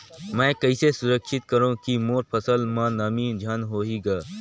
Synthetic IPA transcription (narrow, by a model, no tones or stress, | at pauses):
mɛ̃ːkɐɪsesʊɾəkʃɪt̪̚kɐɾõkimoːɾpʰɐsəlmãnamiːd͡ʒʱanɦoːɦiɡaː